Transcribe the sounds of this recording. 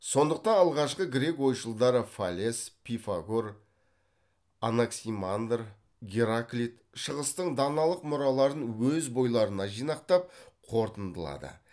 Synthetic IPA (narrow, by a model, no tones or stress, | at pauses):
so̞nd̪əq̚t̪ɑnɑlˠʁɑʃqəɡʲɾe̞kwo̞jʃəlˠd̪ɑɾəfalʲe̞spʲʰifaɡoɾ | anaksimand̪r | ɡʲeɾaklʲit̪ | ʃəʁəst̪əɴd̪ɑnɑlˠəqmʊɾɑlˠɑɾənwɵzbo̞jlˠɑɾənɑʒijnɑq̚t̪ɑp̚qʰo̞ɾt̪ənd̪əlˠɑ̰d̪ə̰